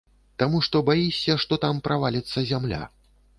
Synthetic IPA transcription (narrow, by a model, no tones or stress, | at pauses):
t̪amuʂt̪ɔbajisʲːɐʂt̪ɔt̪ampɾʔavalʲit̪sːɐzʲamlʲa̰